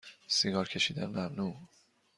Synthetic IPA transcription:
siɡɒːɾcʰe̞ʃiːd̪ænmæmnuː

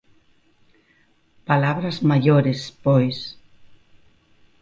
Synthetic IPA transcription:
palaβɾɐzmaʎoɾɪspojs

